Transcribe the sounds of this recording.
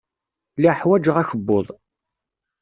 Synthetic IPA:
liħwæd͡ʒəʁæçəbːoðˤ

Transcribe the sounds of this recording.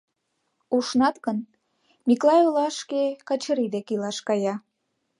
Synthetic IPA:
uʃnɑt̪kən | miklɑjolɑʃkekɑt͡ɕəɾid̪ekilɑʃkɑjɑ

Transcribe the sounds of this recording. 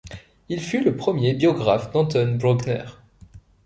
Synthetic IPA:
ilfyləpχəmjebjɔɡʁafd̪ɑ̃t̪ɔnbʁɔ̃ɡnɛ̰ʁ

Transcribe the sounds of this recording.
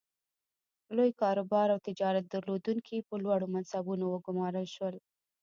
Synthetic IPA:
lojkɑɾobɑɾawt̪ɪd͡ʒɑɾat̪̚d̪aɾlod̪uŋkʰipəlwɑɽomansabunowəɡʊmɑɾəlʃwəl

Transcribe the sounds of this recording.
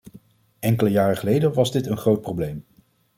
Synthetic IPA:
ɛŋkələjaːrəχəlejdənʋɑzdɪtənχrowt̚prowblejm

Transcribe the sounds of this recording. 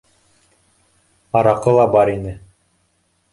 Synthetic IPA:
ɑɾɑqɤlˠɑbɑɾinɘ

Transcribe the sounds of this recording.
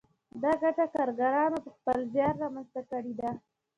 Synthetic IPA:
d̪ɑɡaʈakɑɾɡaɾɑnopəxpəlzjɑnɾɑmanzt̪akəɽid̪a

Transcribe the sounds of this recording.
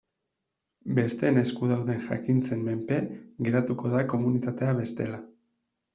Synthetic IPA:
be̞st̪e̞ne̞skuðawðe̞nʝa̰kint͡se̞mme̞mpe̞ɣe̞ɾat̪uko̞ðako̞munit̪at̪e̞aβe̞st̪e̞̰la

